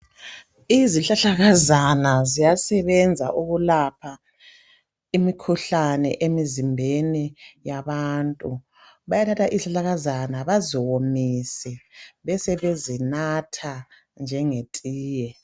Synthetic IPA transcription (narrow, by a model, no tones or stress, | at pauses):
iziɬaɬaɣazanazijasɛβɛnd͡zʱa̰ʔuɣulapʰa | imikʰuɬanɛ̰ʔemizimbʱenijaβaːntʼu | βajatʰatʰaʔiɬaɬaɣazanaβaziwomisɛβɛsɛβezinatʰa | nd͡ʒʱɛŋetʼiːjɛ